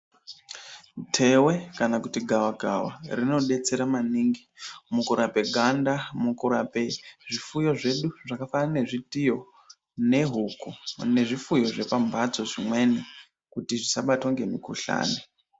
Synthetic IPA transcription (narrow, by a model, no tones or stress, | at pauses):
tʰe̞we̞kanakutiɡʱawaɡʱawa̰rino̞ɗe̞t͡se̞ɾamaniːŋɡimukuɾape̞ɡʱandamukuɾape̞ʐifujo̞ʐe̞ɗuʐakafanane̞ʐitijo̞ | ne̞ɦukune̞ʐifujo̞ʐe̞pambʱad͡zo̞ʐimwe̞ne | kutiʐisaɓatoŋɡe̞mikṵɬa̰ːne